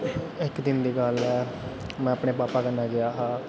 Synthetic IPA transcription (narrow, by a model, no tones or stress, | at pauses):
ɪkd̪ɪnd̪iːɡəlɛː | mɛ̃ːəpɳeːpaːpaːkənːaːɡɪaːɦãː